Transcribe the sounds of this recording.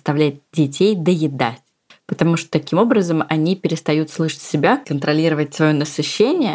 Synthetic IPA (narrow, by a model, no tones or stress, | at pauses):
st̪ɐvlʲætʲdʲɪtʲejd̪əjɪd̪atʲ | pət̪ɐmuʂt̪o̥t̪ɐkʲimo̞bɾəzəmɐnʲipʲɪɾʲɪst̪ɐjut̪slˠɨʂə̥tʲsʲɪbʲakənt̪ɾɐlʲiɾəvətʲsvɐjo̞nəsɨɕːenʲɪjə